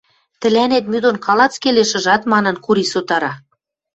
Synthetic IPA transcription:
t̪ɘ̆lænet̪myd̪onkɑlɑt͡skeleʃɤ̆ʒɑt̪mɑnɤ̆nkuɾisot̪ɑɾɑ

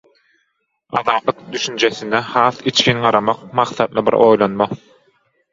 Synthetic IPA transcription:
ɑðɑːt̪lˠɯq̚d̪yʃynd͡ʒeθind̪ɛhɑːθit͡ʃkʰʲinɢɑɾɑmɑqmɑqθɑd̪lˠɯbḭɾʔojlˠonmɑ

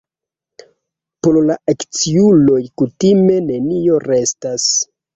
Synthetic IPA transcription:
poɾlaʔakt͡siulo̞jkutime̞ne̞nio̞ɾe̞stas

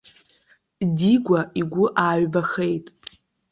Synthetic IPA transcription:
diɡʷaiɡʷʊʔaːɥbaχe̞jtʼ

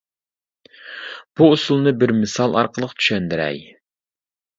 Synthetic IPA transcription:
b̥uusulˠnɨbɪɾmɪsɑlˠɑ̰ɾqəlˠəqt̪ʰy̥ʃɛnd̪ɪɾɛ̰j

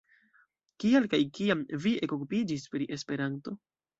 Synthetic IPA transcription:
kialkajkiamviʔe̞kokupid͡ʒispɾiʔe̞spe̞ɾanto̞

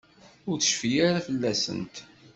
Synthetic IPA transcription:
ʊɾθə̥ʃfijaɾafəlːæsə̰nt̪

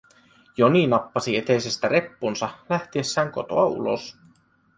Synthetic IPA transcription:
joninɑpːɑsiet̪ese̞st̪æɾe̞pːunsɑlæht̪iesːæːŋko̞̰t̪o̰ɑṵlo̰s

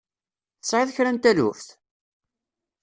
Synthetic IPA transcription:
θə̥sˤʕɪðçɾænt̪ælṵfθ

